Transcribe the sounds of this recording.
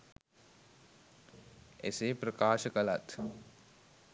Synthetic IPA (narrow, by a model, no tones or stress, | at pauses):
esepɾəkaːʃəkəlat̪